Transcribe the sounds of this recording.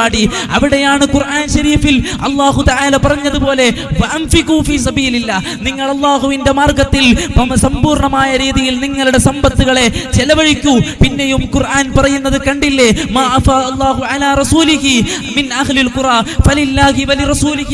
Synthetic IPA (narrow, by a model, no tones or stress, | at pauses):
aːɽi | ɐʋiɽejaːɳɨkurʔaːnɕɐɾiːfilɐlːaːɦut̪ɐʕaːlɐpɐrɐɲːɐðupo̞ːle̞ | ʋɐʔɐmfikufiːs̬ɐbiːlilːaː | niŋːɐɭɐlˠˤːaːɦuʋinde̞maːrɡɐt̪ːilpɐmsɐmbuːrɳɐmaːjɐɾiːðijilniŋːɐɭuɽe̞sɐmbɐt̪ːuɣɐɭe̞t͡ɕɛlɐʋɐɻikʲːupinːejumkurʔaːnpɐrɐjunːɐðɨkɐɳɖilːe̞maːʔɐfaːɐlˤːaːɦuʕalaːrˤɐsuːliɦiminʔɐɦlilkʊɾaːfɐlilːaːhiʋɐlirɐsuːli